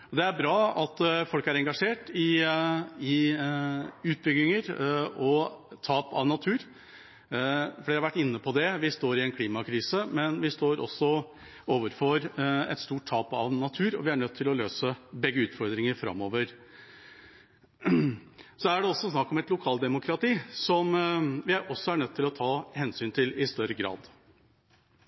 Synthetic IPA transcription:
ɔd̪ɛæɾbɾɑːɑt̪ːfɔlkæɾɛŋɡɑʂeːʈɪ | ɪ | ʉːt̪̚bʏɡɪŋəɾɔt̪ʰɑːpɑ̰ʋnɑt̪ʰʉːɾ | fɔɖɪhɑɾʋæʈːɪnːəpʰɔd̪ɛʋɪst̪oːɾɪɛnkʰliːmɑkʰɾiːsəmɛnʋɪst̪oːɾɔ̰sːɔ | oːʋəɾfɔɾɛ̰t̪st̪uːʈ̚t̪ʰɑːpɑ̰ʋnɑt̪ʰʉːɾɔ̰ʋɪæɳœt̪ʰːɪlɔløːsəbɛɡːəʉːt̪fɔɾd̪ɾɪŋəɾfɾɑ̰mːoːʋəɾ | sɔæɖɛɔsːɔsnɑkːɔmɛt̪lʊkʰɑːld̪ɛmʊkʰɾɑt̪iːsɔmʋɪæɾʔɔsːɔæɳœt̪ʰːɪlɔt̪ʰɑːhɛnsyːnt̪ʰɪlɪst̪œɾəɡɾɑ̰ːd̪

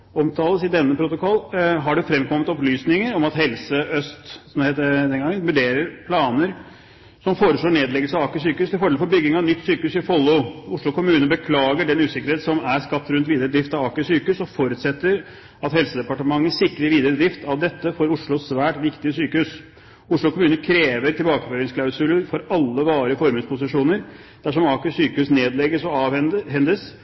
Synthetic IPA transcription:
ɔmt̪ʰɑːləsɪd̪ɛnːəpʰɾʊt̪ʊkʰɔlːɦɑɖʉfɾɛmːkʰɔmːət̪ɔplyːsnɪŋəɾɔmɑt̪hɛlsəʔœst̪sɔmd̪ɛheɪt̪ːd̪ɛnɡɑŋːənʋʉɖeːɾəɾpʰlɑːnəɾ | sɔmfoːɾəʂɭoːɳneːd̪lɛɡəlsəɑʋɑːkəsyːkəʉːst̪ɪlfɔɖelfɔɾbʏɡːɪŋɑnʏt̪ːsyːkəʉsɪfɔlːʊʊʂɭʊkʰʊmʉːnəəbəkʰlɑːɡəɖɛnʉːsɪkːəɾheːt̪sɔmæɾskɑpt̪ːɾʉnt̪ʋiːd̪əɾəd̪ɾɪft̪ɑʋɑːkəsyːkəʉsɔfɔɾʉːt̪sɛt̪ːəɾ | ɑt̪hɛlsəd̪ɛpɑʈəmɑŋːəsɪkːəɾɪəʋiːd̪əɾəd̪ɾɪft̪ʰɑʋd̪ɛt̪ːəfɔɾʊʂɭʊsʋæːʈʋɪkt̪ɪəsyːkəhʉs | ʊʂɭʊkʰʊmʉːnəkʰɾeːʋəɾt̪ʰɪlbɑːkəføːɾɪŋskʰlɑʉsʉləɾfɔɾɑlːəʋɑːɾɪəfɔɾmɪŋspʰʊsɪʂuːnəɾ | d̪̥æʂɔmɑːkəsyːkəʉsneːd̪lɛɡəsɔɑːʋɛnhɛnd̪əs

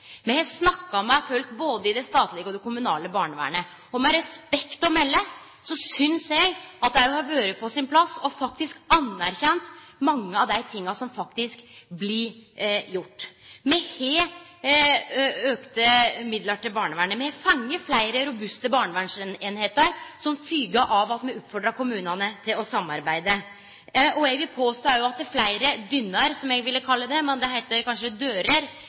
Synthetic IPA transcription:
mɛnhɛsnɑkːɑɔmːæɪfœlkboːd̪əɪd̪ɛst̪ɑːt̪lɪɡəɔd̪ɛkʊmʉnɑ̰ːləbɑːɳəʋæ̰ːɳə | ɔmɛɾɛspɛkt̪ɔmɛlːə | sɔsʏnseɡɑt̪̚d̪æɪhɑɾʋøːɾəpʰɔsɪnpʰlɑsːɔfɑk̚t̪ɪskɑnːæɾçɛnt̪mɑŋːəɑʋd̪æɪt̪ʰɪŋːɑsɔmfɑkt̪ɪskblɪjʊʈːmɛheː | økt̪əmɪd̪ləʈɪlbɑːɳəʋæːɳəmɛfɑŋːəflæɪɾəɾʊbʉst̪əbɑːɳəʋæɳʂneːnheːt̪əɾsɔmfyːɡɑʔɑʋɑt̪mɛʉt̪fɔɖɾɑkʰʊmʉːnɑnət̪ʰɪlɔsɑmːɑɾbæɪd̪ə | ʔɔɛɡʋɪpʰoːst̪oæɾjʊɑt̪̚d̪æɾflæɪɾəd̪ʏnːəɾsɔmɛɡʋɪlːəkʰɑlːəd̪ɛmɛnd̪ɛɦæɪt̪əɾkʰɑnʂəd̪øːɾəɾ

